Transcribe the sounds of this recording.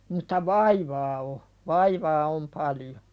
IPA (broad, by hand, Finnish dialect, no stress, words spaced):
mutˑɑ ʋɑiʋɑː o ʋɑiʋɑː om pɑljo